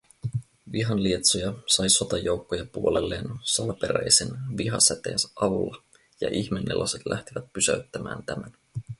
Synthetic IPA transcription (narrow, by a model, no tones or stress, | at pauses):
ʋiɦɑnlie̞t̪sojɑsɑjso̞t̪ɑjowkːojɑpuole̞lːe̞ːnsɑlɑpe̞ɾæjsenʋiɦɑsæt̪e̞ːnsæʔɑʋulːɑ | jɑ̰ʔiçminːelʔo̰set̪lʔæht̪iʋæt̪̚pysæɥt̪ːæmæ̰ːnt̪æmæn